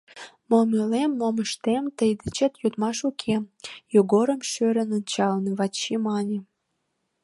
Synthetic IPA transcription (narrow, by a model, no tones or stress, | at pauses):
momelemːomə̆ʃt̪emt̪əjd̪ət͡ɕet̪jod̪mɑʃukʰemjoɡoɾə̆mʃøɾʲə̆nunʲt͡ɕɑlnɤβɑt͡ɕːimɑnʲe